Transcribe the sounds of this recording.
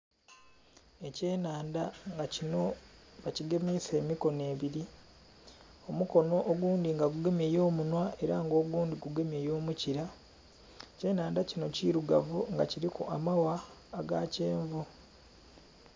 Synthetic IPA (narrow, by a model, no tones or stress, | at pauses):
e̞ceːnaːndaŋɡacino̞βaciɡe̞mise̞ːmiko̞ne̞ːβiɾi | o̞muko̞no̞ʔːɡwuːndiŋɡaɡuɡe̞mje̞jo̞ːmunwaʔe̞ɾaŋɡo̞ːɡuːndiɡuɡe̞me̞jo̞ːmuciɾa | ce̞ːnaːndacino̞ciɾuɡa̰vuŋɡa̰ciɾikṵʔamawaːɡa̰ce̞ːɱvu